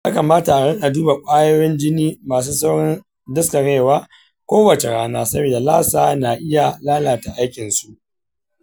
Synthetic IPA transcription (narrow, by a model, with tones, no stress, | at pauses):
jaː˦kɐ˨maː˦ta˨a˨ɽɛ˦ŋʔa˨duː˦ba˨kʷʼaː˦joː˦jɪ˦nd͡ʒɪ˦niː˦maː˨s̬uː˦sɐ˦wɽɪ˦n | dɐ˦sta˨ɽeː˦˨waː˦ | kʷoː˦wɐ˨t͡ʃe˨ɽaː˦naː˦sɐ˦beː˨da˨laː˦saː˨na˨ʔɪ˦ja˨laː˦laː˨ta˨ʔa˦jkʲɪ˨nsu˦ʔ